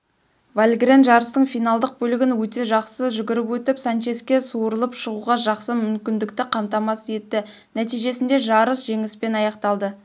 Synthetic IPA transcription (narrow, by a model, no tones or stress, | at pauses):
valʲɡrenʒɑɾəst̪əɴfijnɑlˠd̪əq̚bɵlɪɡʲɪnwɵt̪e̞ʒɑqsəʒʏɡʲɪɾɪpwɵt̪ɪpsanʃe̞skʲe̞suɾəlˠəpʃəʁuʁɑʒɑqsəmʏmkʲɪnd̪ɪk̚t̪ɪqʰɑmt̪ɑmɑsje̞t̪ːɪ | næt̪ijʒe̞sɪnd̪e̞ʒɑɾəsʒ̥e̞ŋɪspe̞nɑjɑqt̪ɑlˠd̪ə